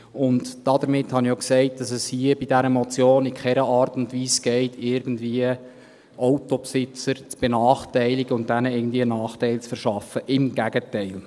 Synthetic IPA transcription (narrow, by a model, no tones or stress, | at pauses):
ʊndd̥ɑdəɾmɪthɑnɪoksɛɪt̚d̥ɑsɛshiəbidæɾəmɔt͡sjoːnɪkʰχɛɾəʔɑːɾtʊntʋiːsɡ̥ɛɪtʰɪɾɡən̩dviːə | ʔɔʊtɔpsɪt͡səɾt͡sb̥enɑːχtɛɪlɪɡəʊnt̚d̥ænəɪɡən̩d̪viːənɑːχtɛɪlt͡sfəɾʃɑfəʔɪmɡ̥æɡ̥ətɛɪl